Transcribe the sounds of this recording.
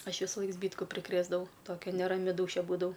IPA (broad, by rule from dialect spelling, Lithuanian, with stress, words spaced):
ˈɐʃ ʋʲɪsʊˈlˠɐɪk ˈzʲbʲiːtkʊ pʲrʲɪˈkrʲeːzdɐʋɐʊ ˈtoːkʲɛ nʲɛrɐˈmʲɪ ˈduːʃʲɛ ˈbuːdɐʋɐʊ